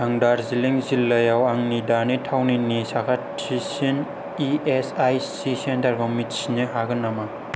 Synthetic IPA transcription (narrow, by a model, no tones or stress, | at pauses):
haŋdaɾziliŋzilːɐjawaŋnidanitʰawninisakʰat | isin | iesajsisentɐɾɡomitsiniɦaɡɐnama